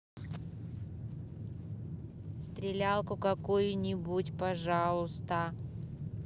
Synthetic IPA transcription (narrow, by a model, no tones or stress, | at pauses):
st̪ɾʲɪlʲalˠkʊkɐkojʊnʲɪbutʲpɐʐɑlˠəst̪ə